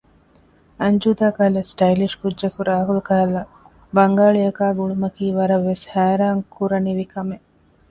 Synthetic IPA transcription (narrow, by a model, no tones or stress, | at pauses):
ɐɲd͡ʒuːd̪aːkalɐsʈɐjliʂkudːd͡ʒʒɐkuɾaːɦulukaɦɐlːɐ | bɐŋɡaːɭijɐkaːɡuɭumɐkiːʋɐɾɐʋːeshæːɾaːŋkʰuɾɐniʋikʰɐme